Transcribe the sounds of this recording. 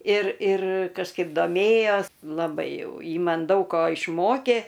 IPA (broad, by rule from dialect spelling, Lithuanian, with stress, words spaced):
ɪr ɪr kɐʃˈkɐɪp doːˈmʲeːjoːs lˠɐˈbɐɪ ˈjɛʊ ˈjɪ ˈmɐn ˈdɐʊk koː ɪʃˈmoːkʲeː